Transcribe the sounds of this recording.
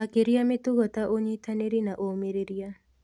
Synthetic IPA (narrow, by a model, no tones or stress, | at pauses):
akeɾiamet̪ʊɡɔt̪aʔoɲit̪aneɾinaʔomeɾeɾia